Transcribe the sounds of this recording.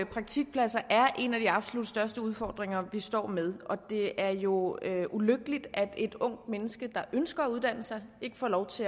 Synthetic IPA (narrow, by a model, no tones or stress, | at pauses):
pʰʁɑ̈ɡ̥̚t͡sʰiɡ̥̚pʰlæsɐʔæɐʔe̝næd̥iɑ̈b̥solud̥sd̥ɶɐsd̥əuð̞ˠfɒ̰ːd̥ʁeŋɐʋisd̥ɒ̰ːmeð̞ˠɒ̽d̥e̝æɐjo̝ʔuløɡ̥əlid̥æd̥e̝d̥ɔ̽ŋ̰d̥menəsɡ̥əd̥ɑ̈ʔønsɡ̥ɐːuðˠd̥æn̰̩sɑ̈ɪe̝ɡ̥əfɒ̰ːlɒʊt͡sʰe̝